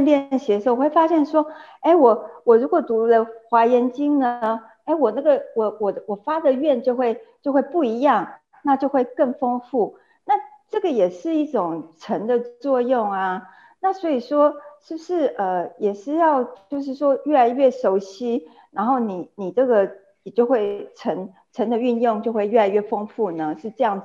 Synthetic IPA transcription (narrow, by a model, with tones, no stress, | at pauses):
nljɛ˥nɕjɛ˧˥ʂo˥˩ʊxwe˥˩ɪfa˥ɕjɛ˥˩nʂwɔ˥e˥ɪwɔ˨˩wɔ˨˩ɻu˧˥kwɔ˨˩t̪u˧˥lə˧xwa˧˥jɛ˧˥nt͡ɕi˥ŋnə˩ | e˥˩ɪwɔ˨˩na˥˩ɡə˩wɔ˨˩wɔ˨˩wɔ˨˩fa˥d̪ə˨ɥɛ˥˧nt͡ɕjo˥˧ʊxwe˥˧ɪt͡ɕjo˥˧ʊxwe˥˧ɪpu˥˩i˧˥jɑ˥˩ŋ | na˥˧t͡ɕjo˥˧ʊxwe˥˧ɪkə˥˩ŋfo˥ŋfu˥˩ | na˥˧ʈ͡ʂɤ˥˩ɡə˩jɛ˨˩ʂɻ̩˥˧i˥˩ʈ͡ʂʊ˨˩ŋʈ͡ʂʰə˧˥nd̪ə˨t͡swɔ˥˧jʊ˥˩ŋa˩ | na˥˩swɔ˧˥i˨˩ʂwɔ˥ʂɻ̩˥˩bu˧˩ʂɻ̩˥˩ʔə˧˩jɛ˨˩ʂɻ̩˥˧jɑ˥˧ʊt͡ɕjo˥˧ʊʂ̬ɻ̩˥˩ʂwɔ˥ɥɛ˥˩la˧˥ɪɥɛ˥˩ʂo˧˥ʊɕi˥ | na˧˥nxo˥˩ʊni˨˩ni˨˩ʈ͡ʂɤ˥˩ɡə˩˨˩ | t͡ɕjo˥˧ʊxwe˥˩ɪʈ͡ʂʰə˧˥n | ʈ͡ʂʰə˧˥nd̪ə˧y˥˧njʊ˥˧ŋt͡ɕjo˥˧ʊxwe˥˧ɪɥɛ˥˩la˧ɪɥɛ˥˩fo˥ŋfu˥˩nə˩ʂɻ̩˥˧ʈ͡ʂɤ˥˧jɑ˥˩ŋ˩